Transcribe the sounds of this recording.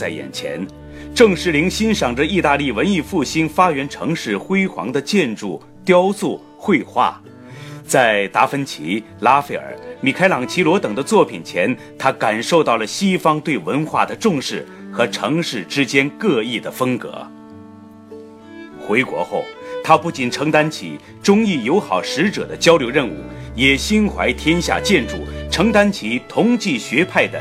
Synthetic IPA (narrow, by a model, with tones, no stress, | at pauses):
t͡sa˥˩ɪjɛ̰˨˩nt͡ɕʰjɛ̰˧˥n | ʈ͡ʂɤ˥˩ŋʂɻ̩˧˥li˧˥ŋɕi˥nʂɑ˨˩ŋʈ͡ʂə˦i˥˧t̪a˥˧li˥˩wə˧˥ni˥˧fu˥˩ɕi˥nfa˥ɥɛ˧˥nʈ͡ʂʰɤ˧˥ŋʂɻ̩˥˩xwe˥ɪxwɑ̰˧˥ŋd̪ə˧t͡ɕjɛ˥˧nʈ͡ʂu˥˩ | t̪jɑ˥ʊsu˥˩ | xwe˥˧ɪxwa̰˥˩ | t͡sa˥˩ɪt̪a˧˥fə˥nt͡ɕʰḭ˧˥ | la˥fe˥ɪə̰˞˨˩˦mi˨˩kʰa˥ɪlɑ˧˥ŋt͡ɕʰi˧˥lwɔ˧˥t̪ɤ˨˩ŋd̪ə˦t͡swɔ˥˩pʰi˨˩nt͡ɕʰjɛ˧˥n | t̪ʰa˥ka˨˩nʂo˥˧ʊt̪ɑ˥˩ʊlə˩ɕi˥fɑ˥ŋt̪we˥˩ɪwə˧˥nxwa̰˥˩d̪ə˩ʈ͡ʂʊ˥˧ŋʂɻ̩˥˩ | xɤ˧˥ʈ͡ʂʰɤ˧˥ŋʂɻ̩˥˩ʈ͡ʂɻ̩˥t͡ɕjɛ˥nkɤ˥˧i˥˩d̪ə˩fɤ˥ŋkɤ̰˧˥ | xwe˧˥ɪkwɔ̰˧˥xo˥˩ʊt̪ʰa˥pu˥˩t͡ɕi˨˩nʈ͡ʂʰɤ˧˥ŋt̪a˥nt͡ɕʰḭ˧˥ | ʈ͡ʂʊ˥ŋi˥˩jo˧˥ʊxɑ˨˩ʊʂɻ̩˧˥ʈ͡ʂɤ̰˨˩d̪ə˦t͡ɕjɑ˥ʊljo˧˥ʊɻə˥˧nṵ˥˩jɛ˨˩ɕi˥nxwa˧˥ɪt̪ʰjɛ˥nɕja̰˥˧t͡ɕjɛ˥˧nʈ͡ʂṵ˥˩ʈ͡ʂʰɤ˧˥ŋt̪a˥nt͡ɕʰi˧˥t̪ʰʊ˧˥ŋt͡ɕi˥˩ɕɥɛ˧˥pʰa˥˩ɪd̪ə̰˩